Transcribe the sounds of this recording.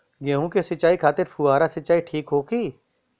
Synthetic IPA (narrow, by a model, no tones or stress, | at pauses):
ɡeːɦũkesɐt͡ʃaːikʰaːt̪ɪɾfuaːɾasɐt͡ʃːaːiʈʰiːkɦoːkiː